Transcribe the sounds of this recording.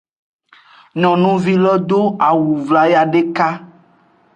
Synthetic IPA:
nɔ̃˨nũ˦vi˦lɔ˦d̪o˦a˨wu˨vla˨ja˨ɖe˦ka˦

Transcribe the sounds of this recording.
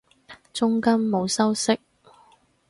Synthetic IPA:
t͡sʊ˥ŋkɐ˥mːo˨˧wsɐ˥wsɪ˥k̚

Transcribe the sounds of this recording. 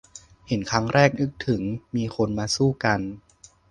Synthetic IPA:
he˩˦nkʰa˦˥ŋɾɛː˥˩k̚nɯ˦˥k̚t̪ʰɯ˩˦ŋmiː˧kʰo˧nmaː˧suː˥˩ka˧n

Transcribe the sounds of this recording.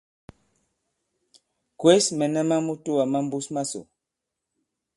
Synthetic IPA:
kwe˦smɛ˨nɛ˦ma˦mu˦tu˦wa˨ma˦m˦bu˦sma˦so̰˨

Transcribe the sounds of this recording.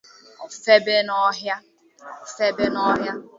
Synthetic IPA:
ɔ˨fe˦be˦nɔ˦ɦja˦˨ | fe˦be˦nɔ˦ɦja˦

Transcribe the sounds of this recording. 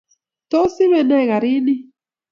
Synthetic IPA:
to˦si˦βɛ˨nɛ˦˨ɣa˨ɾi˦ni˦

